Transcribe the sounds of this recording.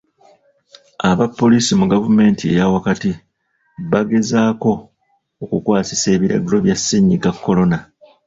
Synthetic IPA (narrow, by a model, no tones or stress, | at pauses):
aβapːo̞liːsimuɡavume̞ːntʰie̞̰jawakati | βaɡe̞zaːko̞ː | kukwaːsi̥se̞ːβiɾa̰ɡulo̞βjasːiɲːiɡakːo̞lo̞na